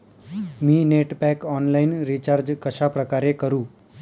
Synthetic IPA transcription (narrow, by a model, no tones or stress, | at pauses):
miːneʈpɛkɔnlainɾit͡ɕaɾd͡ʑkəɕapɾəkaɾekəɾũː